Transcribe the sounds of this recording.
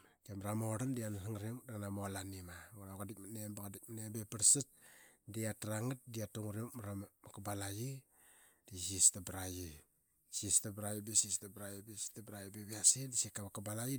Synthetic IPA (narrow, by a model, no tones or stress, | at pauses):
kemɾamoɾandianasaŋɾimdaŋnamolanimaoɾaɡadik̚manembakadik̚manebepəɾsat̚diataɾaŋat̚diatuŋɾikmɾammakabalaji | d̥isistabɾaji | sistabɾajibesistabɾajibestabɾajibebiasidisekːaβakabalaji